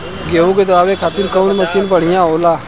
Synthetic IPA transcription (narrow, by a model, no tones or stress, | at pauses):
ɡeːũːɡed̪əaːʋeːkʰaːt̪ɪɾkəunməsiːnpəɽ̤ɪjãːɦoːlaː